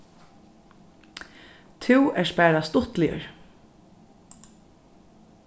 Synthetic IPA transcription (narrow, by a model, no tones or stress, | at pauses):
t̪ʰɪwɛʂpæːɾast̪ʊht̪lɪjə̰ɹ